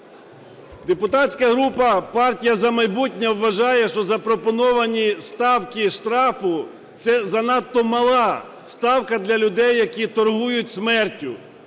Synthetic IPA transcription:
d̪epʊt̪ɑtʲt͡sʲkɐɦɾupɐpɑrtʲijɐzɐmɐjbutʲnʲɛwːɐʒɑjɛʃt͡ʃɔzɐpɾɔpɔnɔʋɐnʲist̪ɑwkʲiʃt̪ɾɑfʊ | t̪sɛzɐnɑt̪ːɔmɐlˠɑ | st̪ɑwkɐd̪lʲɐlʲʊd̪ɛjːɐkʲit̪ɔrɦujʊt̚ʲsmɛrtʲːʊ

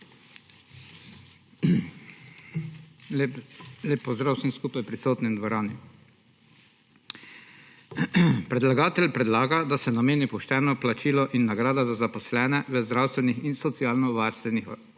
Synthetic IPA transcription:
leːpːɔzd̪ɾaːwsinskuːpajpɾisoːt̪nind̪ʋɔɾaːni | pɾɛd̪laɡaːt̪ɛlʲpɾɛd̪laːɡad̪asɛnameːnipɔʃt̪ɛːnɔplat͡ʃiːlɔʔinːaɡɾaːd̪azazapɔslɛːnɛʋəzd̪ɾawst̪ʋɛnixinsɔt̪siaːlnɔʋaɾst̪ʋɛnix

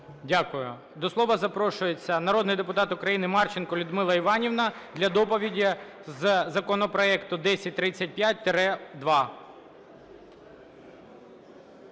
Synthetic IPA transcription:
dʲakʊjʊ̰ | d̪ɔslˠɔʋɐzɐpɾɔʃʊjet͡sʲːɐnɐɾɔd̪nɪjd̪epʊt̪ɑt̪ʊkɾɐjinɪmɑrt͡ʃenkɔlʲʊd̪mɪlˠɐiʋɑnʲiʋnɐd̪lʲɐd̪ɔpɔʋʲidʲizzɐkɔnɔpɾɔɛkt̪ʊd̪ɛsʲɐt̚ʲt̪ɾɪt͡sʲːɐt̚ʲpʲjat̚ʲt̪eɾɛd̪ʋɑ

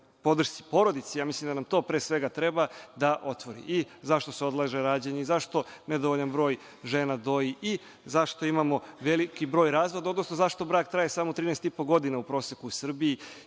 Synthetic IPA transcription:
po̞d̪r̩ʃt̪i̥po̞ɾo̞d̪it̪sejaːmislimd̪anamt̪oːpɾeːsʋe̞ɡat̪ɾe̞bad̪aʔo̞t̪ʋo̞ɾḭʔizaʃt̪o̞seo̞d̪lˠaʒeɾaːd͡ʑeɲeizaʃt̪o̞ned̪oʋoʎanbɾo̞ːj | ʒeːnad̪o̞jii | zaʃt̪o̞imamo̞ʋe̞likibɾoːjɾaːzʋo̞d̪aod̪no̞sno̞zaʃt̪o̞bɾaːk̚t̪ɾaːjesaːmot̪ɾiːnest̪ipo̞ɡo̞d̪inaupɾo̞ːsjekuusr̩bii

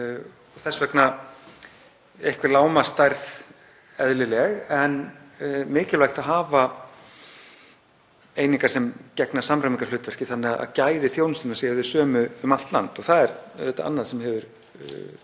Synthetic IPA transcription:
ɔθɛsvɛkna | ehkvɪɾlaːwmast̪ajɾθ | ɛðlɪlɛɣɛnmɪːcɪlvajxt̪aðɦaːva | ejniŋkaɾ̥sɛmcɛknḁsamɾamiŋkalʏːt̪vɛr̥cɪθanːɛaða̰ðcaːjðɪθjownʏst̪ɪnasɛjɾðɪsœːmʏmal̥t̪la̰nt̪ɔθaðɛɾðɛt̪ːaa̰nːaðsɛmhɛvʏɾ

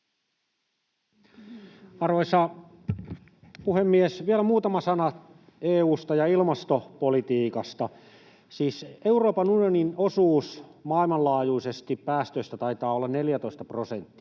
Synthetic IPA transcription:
ɑrʋoisɑ | puhemːiesʋielæmuːt̪ɑmɑsɑnɑ | eːuːst̪ɑjɑilmɑst̪opolit̪iːkɑst̪ɑ | siːseuɾoːpɑnunijoninosuːsmɑilmɑllɑːjuisest̪ippæːst̪øist̪æt̪ɑit̪ɑːolːɑnneljæt̪o̞ist̪ɑpro̞sent̪ːi̥

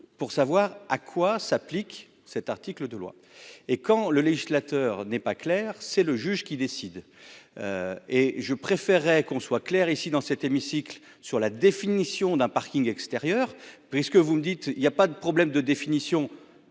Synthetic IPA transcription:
puʁsavwaʁakʰwasaplik | sɛt̪aʁt̪ikləd̪əlwa̰ | ekɑ̃ləleʒislat̪œːʁnɛpaklɛʁsɛləʒyʒkʲid̪esid̪ | øeʒəpχefɛʁːɛkɔ̃swaklɛʁisid̪ɑ̃sɛt̪emisikl | syʁlad̪efinisjɔ̃d̪ɛ̃paʁkʲiŋɡɛkst̪eʁjœːʁpɥiskəvuməd̪it̪iljapad̪əpχɔblɛmd̪əd̪efinisjɔ̃

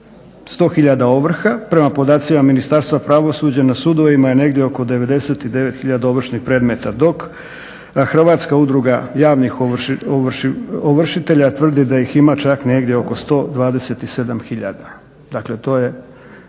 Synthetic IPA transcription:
st̪o̞ːxiʎad̪ao̞ʋr̩xapɾe̞mapo̞d̪aːt̪simaminist̪aɾst̪vapɾaʋo̞suːd͡ʑanasud̪o̞ʋimajene̞ɡd̪jeo̞kod̪eʋe̞d̪e̞se̞t̪id̪e̞ʋe̞t̪xiʎad̪ao̞ʋr̩ʃnixpɾe̞ːd̪me̞t̪ad̪o̞k | xr̩ʋaːt̪skaud̪ɾuɡajaːʋnixooʋoʋr̩ʃit̪e̞ʎat̪ʋr̩d̪id̪ajiximat͡ʃakne̞ɡd̪jeo̞ko̞st̪o̞ːd̪ʋaːd̪e̞set̪ise̞d̪amxiʎa̰d̪a | d̪akle̞t̪o̞ːje̞

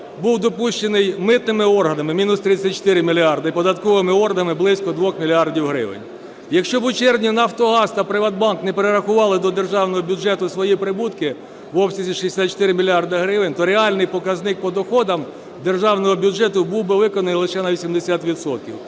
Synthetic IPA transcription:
buwd̪ɔpuʃt͡ʃenɪjmɪt̪nɪmɪɔrɦɐnɐmɪmʲinʊst̪ɾɪt͡sʲːɐt̪̚ʲt͡ʃo̥t̪ɪɾɪmʲilʲiɑrd̪ɪpɔd̪ɐt̪kɔʋɪmɪɔrɦɐnɐmɪblˠɪsʲkɔd̪ʋɔxmʲilʲiɑrdʲiwɦɾɪ̰ʋɪ̰nʲ | jɐkʃt͡ʃɔbʊt͡ʃɛrʋnʲinɐft̪ɔɦɑst̪ɐpɾɪʋɐd̪bɑnknɛpeɾeɾɐxʊʋɑlˠɪd̪ɔd̪erʒɑwnɔɦɔbʲudʒɛt̪ʊsʋɔjipɾɪbut̪kɪ | ʋɔbsʲizʲiʃiesʲat̪t͡ʃːe̥t̪ɪɾɪmʲilʲiɑrd̪ɐɦɾɪʋɪnʲt̪ɔɾeɑlʲnɪjpɔkɐznɪk̚pɔd̪ɔxɔd̪ɐm | d̪erʒɑwnɔɦɔbʲudd͡ʒɛt̪ʊbuwbɪʋɪkɔnɐnɪjlˠɪʃɛnɐʋʲisʲimd̪esʲat̪ʋʲit̪sɔt̪̚kʲḭw

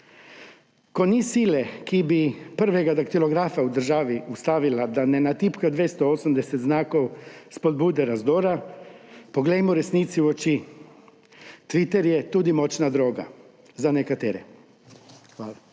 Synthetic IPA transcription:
konisilɛkibipəɾʋɛɡad̪akt̪iloɡɾaːfaud̪əɾʒaːʋiust̪aːʋilad̪anɛnat̪iːpkad̪ʋest̪ɔoːsəmd̪ɛsɛt̪znaːkɔwspod̪̚buːd̪ɛɾazd̪oːɾa | poɡlɛjmɔɾɛsnit̪siuot͡ʃi | t̪ʋit̪ɛɾjɛt̪uːd̪imot͡ʃnad̪ɾoːɡa̰ | zanɛkat̪eːɾɛ | xʋaːla

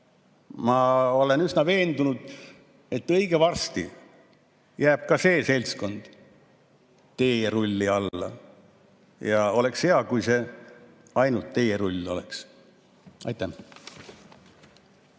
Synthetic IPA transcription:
mɑo̞le̞nysnɑve̞ːnd̪unud̪̥ | e̞t̪ːɤ̞jɡ̥evɑrst̪ḭ | jæːb̥̚kɑse̞ːse̞lʲsko̞nd̪̥ | t̪e̞jjeɾulʲːiɑlːɑ̰ | jɑo̞le̞ksheɑkujse̞ | ɑjnult̪ːe̞jeɾulʲːo̞̰lḛks | ɑ̰jt̪ːˑɑ

